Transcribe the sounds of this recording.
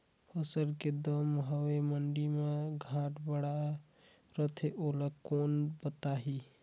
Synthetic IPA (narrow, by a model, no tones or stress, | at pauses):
pʰəsəlked̪əmɦəweməɳɖimeɡʱãʈbəɽa | ɾət̪ʰeʔoləkonbət̪aɦi